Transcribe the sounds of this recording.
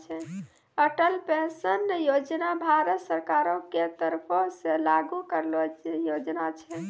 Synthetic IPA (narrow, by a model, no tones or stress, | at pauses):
t͡ʃʰɛ | əʈəlpẽnsənjod͡ʒnabʱaɾət̪səɾkaɾõket̪əɾpʰoselaɡukəɾlojod͡ʒnat͡ʃʰɛ